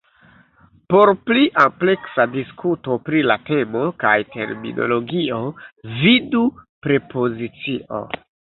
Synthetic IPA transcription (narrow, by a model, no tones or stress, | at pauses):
po̞ɾpliʔample̞ksadiskuto̞pɾilate̞mo̞kajte̞̰ɾmḭnʔo̞̰lo̞ɡiovidupɾe̞po̞zit͡siʔo̞̰